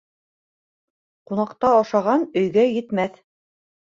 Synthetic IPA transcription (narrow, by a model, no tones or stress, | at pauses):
qunɑqt̪ɑɑʃɑʁɑnɵ̆jɡæjɘ̆t̪mæθ